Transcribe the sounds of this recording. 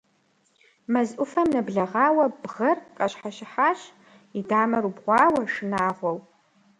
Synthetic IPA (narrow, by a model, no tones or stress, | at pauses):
mɐzʔʷʊfɐmnɐbɮɐʁɑːwɐbʁɐrqʼɐɕħaɕɪħaːɕ | idaːmɐɾubʁʷɑːwɐʂɨnaːʁʷɔw